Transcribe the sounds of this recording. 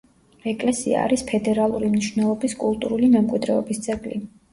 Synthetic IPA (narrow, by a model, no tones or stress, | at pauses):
ɾɛkʼlɛsḭa̰ːɾispʰɛd̪ɛɾalˠuɾimniʃvnɛlˠɔbiskʼulˠt̪ʼuɾulimɛmkʼwid̪ɾɛɔbist̪sʼɛɡli